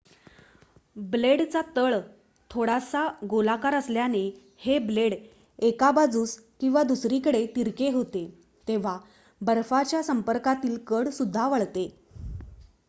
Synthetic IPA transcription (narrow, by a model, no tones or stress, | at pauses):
bleɽt͡sat̪əɭ | t̪ʰoɽasaɡolakaɾəsljane | hebleɽ | ekabad͡zuːskĩw̃ʋad̪usɾiːkəɽet̪iɾkeɦot̪e | t̪eʋ̤a | bəɾfat͡ɕjasəmpəɾkat̪iːlkəɽsud̪ʱːaʋəɭt̪e